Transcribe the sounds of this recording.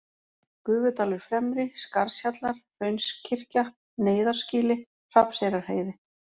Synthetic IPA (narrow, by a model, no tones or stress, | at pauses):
kʏːvʏt̪aːlʏɾ̥fɾɛmɾɪskaɾ̥sçat̪laɾ̥rœɥnscʰɪr̥ca | neːjðaɾ̥sciːlɪ | r̥apsejɾaɾ̥ɦeːjðɪ